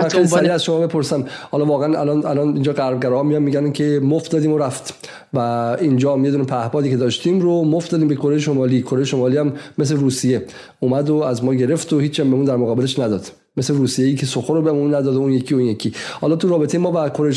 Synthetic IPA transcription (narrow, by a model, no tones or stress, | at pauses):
æsɾiæzʃo̞mɒːbe̞pʰo̞ɾsæmhɒːlɒːvɒːɣeænæ̰lɒnælɒnind͡ʒɒːɣæɾb̚ɡæɾɔhɒmijɒmmiɟænincʰe̞mofd̪ɒːd̪iːmoɾæft̪ | væind͡ʒɒːjed̪uːnepʰæhbɒːd̪iːcʰe̞d̪ɒːʃt̪iːmɾomofd̪ɒːd̪imbe̞kʰo̞ɾe̞jeʃomɒːlikʰoɾe̞jeʃo̞mɒːliæmːes̬leɾuːsije̞ | uːmæd̪oæzmɒːɟe̞ɾe̞ft̪ohiːt͡ʃʰæmbemund̪æɾmoɣɒːbeleʃnæd̪ɒːd̪̥ | mesleɾuːsijejiːcʰe̞soxoɾobemunːæd̪ɒːd̪ounjecʰijounjecʰihɒːlɒt̪ʰuɾɒːbeejemɒːvækʰo̞ɾej